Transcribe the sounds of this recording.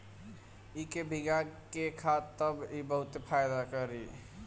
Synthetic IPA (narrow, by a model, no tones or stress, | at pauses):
ikebʱiɡakekʰat̪ːəbibəɦut̪epʰajd̪akəɾi